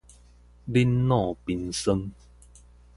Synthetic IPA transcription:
li˦nːɔ̃ː˥˨pi˧nsə˧ŋ

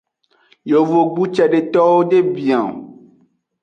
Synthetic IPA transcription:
jo˨vo˨ɡ͡bu˦t͡ʃɛ˨ɖe˨t̪ɔ˦wo˦ɖe˦bĩ˨ã˨

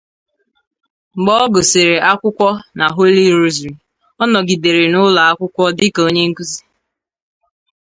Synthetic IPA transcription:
ŋ͡m̩˨ɡ͡bɔ˦ɔ˦ɡo˨se˨ɾe˨ʔa˦kʷʊ˦kʷɔ˦na˨ɦo˦li˦ɾu˦zɾi˨m | ɔ˦nɔ˨ɡi˨de˨ɾe˨nʊ˦la˨a˦kʷʊ˦kʷɔ˦dɪ˦ko˦ɲe˦ŋ̩˦ku˦zi̥˨

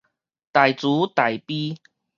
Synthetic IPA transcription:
t̪a˨˩jt͡suː˨˦t̪a˨˩jpi˦

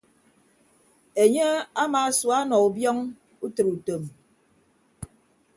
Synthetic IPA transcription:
e˨ɲe˦a˦maː˨˦swa˦nɔ˨u˨bjɔ˦ŋ | u˦tɨ˨ɾu˨to˨m

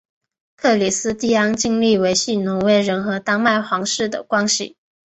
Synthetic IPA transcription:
kʰɤ˥˩li˨˩sɹ̩˥t̪i˥˩ɑ˥ŋt͡ɕi˥ŋli˥˩we˧˥ɪɕi˥˩nʊ˧˥ŋwe˥˩ɪɻə˧˥nxɤ˧˥t̪ɑ˥ŋma˥˩ɪxwɑ˧˥ŋʂɻ̩˥˩d̪ə̰˩kwɑ˥ŋɕḭ˨˩

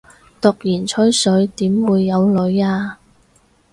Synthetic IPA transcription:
t̪ʊ˨k̚jiː˨˩nt͡ʃʰɵ˥ɥsɵ˨˧ɥt̪iː˨˥mwuː˨˧jːɐ˨˧wlɵ˨˧ɥaː˧

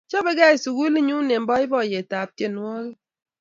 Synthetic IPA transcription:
t͡ʃɔ˦be˦ɡa˦e˨su˨ɣu˦i˦li˦ɲu˦ne˨m̩˨bɔ˦i˦bɔ˦˨je˨ta˨p̚te˦˨n˦ɔ˦ɣi˦

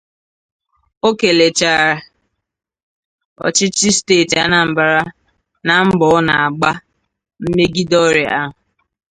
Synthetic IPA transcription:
o˦ke˨le˨t͡ʃa˨ɾa˨ | ɔ̰˨t͡ʃɪ˦t͡ʃɪ˦steː˦˨ta˦na˨m̩˨ba˨ɾa˦ | na˨m̩˦bɔ˨˦na˨a˨ɡ͡ba˦ | m̩˦me˦ɡi˦dɔ˦ɾe˨a˦ɦʊ˨

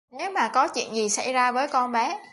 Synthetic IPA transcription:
ne˨˦wmaː˨˩kɔ˨˦t͡ɕwḭ˧˨ənzi˨˩sa̰˧˩jzaː˧vəː˨˦jkɔ˧nɓɛ˨˦

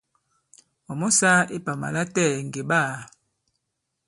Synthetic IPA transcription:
ɔ˨mɔ˦sa˦e˦pa˨ma̰˨la˦tɛ˦˨ŋɡe˨ba˦˨

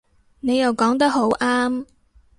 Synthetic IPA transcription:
ne˨˧jɐ˨wkɔː˨˥ŋt̪ɐ˥k̚ɦo˨˥wʔaː˥m

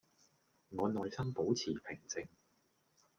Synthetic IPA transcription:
ŋɔː˨˧nɔː˨jsɐ˥mpo˨˥wt͡sʰiː˨˩pʰɪ˨˩ŋt͡sɪ˨ŋ

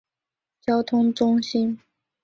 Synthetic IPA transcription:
t͡ɕjɑ˥ʊt̪ʰʊ˥ŋʈ͡ʂʊ˥ŋɕi˥n

